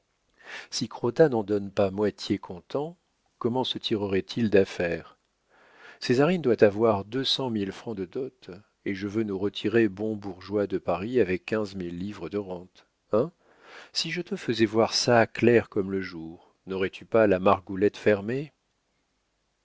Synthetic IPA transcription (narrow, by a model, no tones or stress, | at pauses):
sikχot̪anɑ̃d̪ɔnpamwat̪ʰjekʰɔ̃t̪ɑ̃ | kɔmɑ̃sət̪ʰiʁəʁɛt̪ʰild̪afɛːʁ | sezaʁind̪wat̪avwaʁd̪øsɑ̃milfχɑ̃d̪əd̪ɔt̪ | eʒəvønuʁət̪ʰiʁebɔ̃buʁʒwad̪əpaʁiavɛkːɛ̃zmilːivʁəd̪əʁɑ̃t̪ | ɛ̃ | siʒət̪əfəzɛvwaʁsaklɛʁkɔmləʒuːʁ | nɔʁɛt̪ʰypalamaʁɡulɛt̪fɛʁme